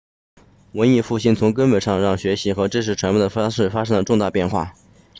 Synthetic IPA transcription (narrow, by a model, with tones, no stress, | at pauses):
wə˧˥ni˥˧fu˥˩ɕi˥˩nt͡sʰʊ˧˥ŋkə˥nwə˨˩ʂɑ˥˧ŋɻɑ˥˩ŋɕɥɛ˧˥ɕi˧˥xɤ˧˥ʈ͡ʂɤ˥nʂɻ̩˥˩ʈ͡ʂʰwa˧˥npɛ˥˩d̪ə˩fʂɻ̩˥˩fa˥ʂ̬ɤ˥ŋd̪ə˨˩ʈ͡ʂʊ˥˧ŋt̪a˥˧pjɛ˥˧nxwa̰˥˩